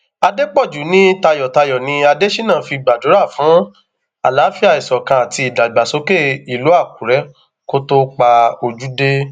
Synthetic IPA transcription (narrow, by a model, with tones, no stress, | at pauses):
a˧de˦k͡pɔ˦˨d͡ʒu˨˦nĩ˦ta˧jɔ˨ta˧jɔ˨nĩ˧a˧de˦ʃi˦nãː˦˨˦fi˧˨ɡ͡ba˨do˨˦ɾa˦˨fũ˨˦ | a˨la˨˦fi˦a˦˨i˨sɔ˨kã˧a˨ti˧i˨da˨ɡ͡ba˨so˨˦ke˦˨i˨lu˨˦a˦˨ku˨˦ɾɛ˨˦ | ko˦to˦k͡pa˧o˧d͡ʒu˦de˦